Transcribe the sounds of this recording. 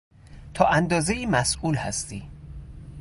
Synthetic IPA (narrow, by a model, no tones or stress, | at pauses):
t̪ʰɒːʔænd̪ɒːzeiːmæsʔuːlhæ̰st̪iː